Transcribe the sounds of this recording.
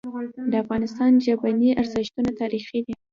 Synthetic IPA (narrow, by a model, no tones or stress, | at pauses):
d̪əafɣɑnɪst̪ɑnʒabaniʔaɾzɪʃt̪unat̪ɑɾixid̪i